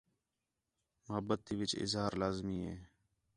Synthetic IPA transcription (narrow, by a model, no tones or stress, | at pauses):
məɦəbət̪ʰːiːʋɪt͡ʃɪ̰zɦaːɾlaːzmiːɦḛː